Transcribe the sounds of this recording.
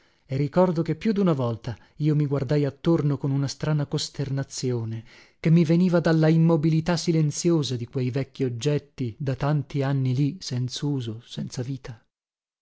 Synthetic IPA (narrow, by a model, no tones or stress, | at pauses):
erːikɔrd̪ok̟epːjud̪unavɔlt̪a | iːomiɡward̪ajat̪ːornokonunast̪ɾaːnakost̪ernat̪sːjoːne | k̟emːiveniːvad̪alːaimːobilit̪asːilent̪sjoːzad̪ikwejvɛkːiod͡ʒːɛt̪ːid̪at̪ant̪ianːilisɛnt̪sauːzosɛnt̪saviːt̪a